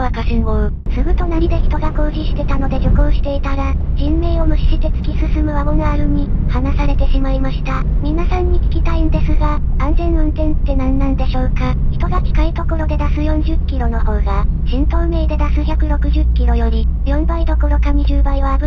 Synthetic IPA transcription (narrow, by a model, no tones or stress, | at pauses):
βakaɕĩmbo | sɨɡɯ̟t̪o̞naɾ̟id̪e̞çi̥t̪o̞ɡako̞ːʑiɕi̥t̪e̞t̪ano̞d̪e̞d͡ʑokoːɕi̥t̪e̞it̪aɾad͡ʑĩmːe̞ːo̞mɯ̟ɕi̥ɕit̪e̞t͡sɨ̥kʲisɨsɨmɯ̟βaβonaaɾɯ̟ɲ̟ihanasaɾe̞t̪e̞ɕimaimaɕi̥t̪amʲĩnasãɲ̟ːikʲi̥kʲit̪aind̪e̞sɨɡaãnzẽ̞nɯ̟̃nt̪ẽ̞nt̪ːe̞nãnːãnd̪e̞ɕo̞ːkaçi̥t̪o̞ɡakʲi̥kait̪o̞ko̞ɾo̞d̪e̞d̪asɨjõ̞ɲ̟d͡ʑɨkʲːiɾo̞no̞ho̞ːɡaɕĩnt̪o̞ɯme̞ːd̪e̞d̪asɨçʲakɯ̟ɾo̞kɯ̟ʑɨkʲːiɾo̞jo̞ɾʲijõ̞mbaid̪o̞ko̞ɾo̞kamʲiʑɨːbaiβabɯ